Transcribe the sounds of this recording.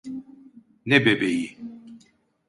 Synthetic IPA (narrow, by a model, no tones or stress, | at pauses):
nɛbɛbɛji